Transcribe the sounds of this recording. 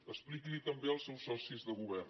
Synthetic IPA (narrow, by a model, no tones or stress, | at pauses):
əsplikilit̪əmbeəlˠsɛwsːɔsizðəɣuβɛr